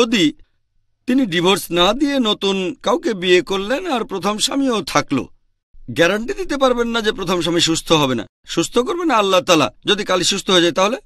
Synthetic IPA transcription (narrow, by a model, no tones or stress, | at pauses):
od̪i | t̪iniɖibʱoɾsnad̪ienot̪unkawkebiekoɾlenaɾpɾot̪ʰomʃamiot̪ʰaklo̰ | ɡɛɾaɳʈid̪it̪ep̬aɾbenːad͡ʑepɾot̪ʰomʃ̬amiʃust̪ʰoɦɔbena̰ | ʃust̪ʰok̬oɾbenːaalːat̪ala̰d͡ʑod̪ikaliʃust̪ʰoɦoed͡ʑajt̪aɦole